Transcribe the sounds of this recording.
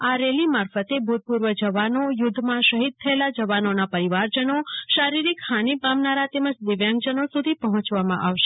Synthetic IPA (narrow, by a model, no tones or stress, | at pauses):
aɾelimaɾfət̪ebʱud̪̚puɾʋəd͡ʒəʋanojʊd̪ʱːmãʃəɦid̪̚t̪ʰəelad͡ʒəʋanonapəɾiʋaɾd͡ʒənoʃaɾiɾikhanipamnaɾat̪eməd͡ʒd̪ɪʋjãŋɡd͡ʒənosud̪ʱipəɦɔ̃t͡ʃʋamãʔaʋʃe